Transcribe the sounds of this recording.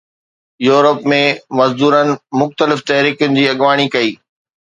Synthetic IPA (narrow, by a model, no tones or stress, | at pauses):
juːɾəpmẽmɐzd̪uːɾənɪ̆mʊxt̪əlɪft̪ɐɦɾiːkjʊnɪ̆d͡ʑiːɐɠʋaːɽ̃ikɐiː